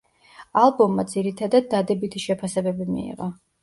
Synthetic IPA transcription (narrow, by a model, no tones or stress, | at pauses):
alˠbɔmːad̪ziɾit̪ʰad̪ad̪ːad̪ɛbit̪ʰiʃɛpʰasɛbɛbimḭḭʁɔ